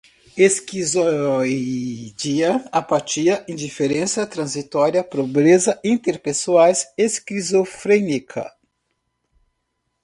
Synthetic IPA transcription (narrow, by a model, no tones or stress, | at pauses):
eskizo | d͡ʒiɐapat͡ʃiɐʔẽd͡ʒifeɾẽsɐt̪ɾɐ̃zit̪ɔɾiɐpɾobɾezɐʔĩnt̪eɾpesuajseskizofɾenikʰɐ̰